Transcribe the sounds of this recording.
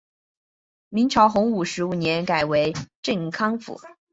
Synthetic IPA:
mi˧˥ŋt͡ɕʰjɑ˧˥ʊxʊ˧˥ŋu˨˩ʂɻ̩˧˥u˨˩njɛ˧˥nka˨˩ɪwe˧˥ɪʈ͡ʂə˥˩nkʰɑ˥ŋfṵ˨˩˦

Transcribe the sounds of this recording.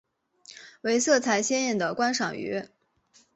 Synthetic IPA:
we˧˥ɪsɤ˥˩t͡sʰa˧˥ɪɕjɛ˥njɛ˥˩nd̪ə˩kwa˥nʂɑ˨˩ŋy̰˧˥

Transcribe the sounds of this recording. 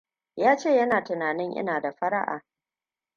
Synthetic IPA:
jaː˦t͡ʃeː˦˨jɐ˦naː˨tɪ˨naː˨nɪ˦ŋʔɪ̰˦naː˨da˨ɸɐ˦ɾɐ˦ʔa̰ː˨

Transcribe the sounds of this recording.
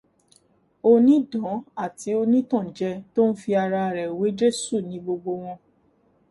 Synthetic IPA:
o˧nĩ˦dɔ̃˨˦a˦˨ti˨˦o˧nĩ˦tã˦˨d͡ʒɛ˧to˦n̩˦fi˧a˧ɾa˧ɾɛ˨we˨˦d͡ʒe˦˨su˦˨nĩ˨˦ɡ͡bo˧ɡ͡bo˧w̃ɔ̃˧

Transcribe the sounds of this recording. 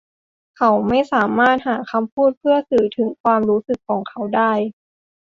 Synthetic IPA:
kʰa˦˥wma˥˩jsaː˩˦maː˥˩t̪̚haː˩˦kʰa˧mpʰuː˥˩t̪̚pʰɯ˥˩ɐsɯː˩˦t̪ʰɯ˩˦ŋkʰwaː˧mɾuː˦˥sɯ˨˩kʰːɔː˩˦ŋkʰa˩wdaː˥˩j

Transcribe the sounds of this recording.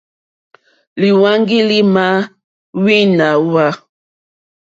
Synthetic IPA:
li˨wa˦ŋɡi˦li˦ma˦ | wi˦na˨wa˦

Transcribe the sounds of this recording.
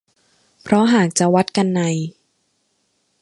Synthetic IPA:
pʰɾɔ˦˥ɦaː˨˩k̚t͡ɕa˨˩wa˦˥t̪̚ka˧nːa˧˩j

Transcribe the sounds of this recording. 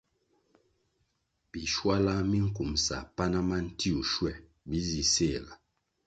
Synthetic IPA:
bi˨ʃwa˦la˦mi˦ŋ̩˦ku˨msa̰˨pa˦na˦ma˦n̩˦ti˦u˨ʃwɛ˦˨ | bi˦zi˨se˦˨la˨

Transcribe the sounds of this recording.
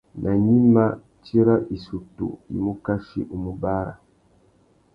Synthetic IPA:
nʔa˨ɲi˦ma˦ | ti˦ɾa˦ʔi˨su˨tṵ˨ḭ˨mu˦ka˦ʃḭ˦ʔu˨mu˦ba˦ɾa̰˨

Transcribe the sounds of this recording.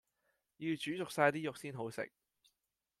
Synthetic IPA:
ji˧wt͡ʃyː˨˥t͡sʊ˨k̚saː˧jt̪iː˥jʊ˨k̚siː˥nɦo˨˥wsɪ̰˨k̚

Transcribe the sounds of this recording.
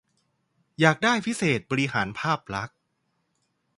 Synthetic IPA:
jaː˨˩k̚daː˥˩jpʰi˦˥seː˨˩t̪̚bɔː˧ɾi˧˥ɦaː˩˦npʰaː˥˩p̚ɾa˦˥k̚

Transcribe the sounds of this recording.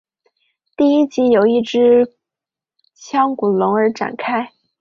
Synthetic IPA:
t̪i˥˩i˥t͡ɕi˧˥jo˨˩ʊi˥˩ʈ͡ʂɻ̩˥ | t͡ɕʰjɑ˥ŋku˨˩lʊ˧˥ŋə˞˧˥ʈ͡ʂa̰˨˩nkʰa˥ɪ

